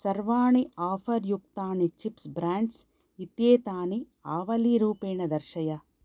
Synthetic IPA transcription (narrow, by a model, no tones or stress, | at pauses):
sɐɾʋaːɳiaːfʰɐɾjuk̚t̪aːɳit͡ʃipsbɾaːɳɖs | it̪jeːt̪aːni | aːʋɐliɾuːpeːɳɐd̪ɐɾʃɐjɐ